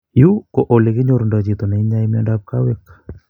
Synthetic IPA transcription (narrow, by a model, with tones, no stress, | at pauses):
ju˦ko˨ʔo˨le˨kɪ˦ɲo˨ɾunda˨t͡ʃi˨t̪o˨ne˨i˦ɲa˦imjɔndap̚ka˦we˦k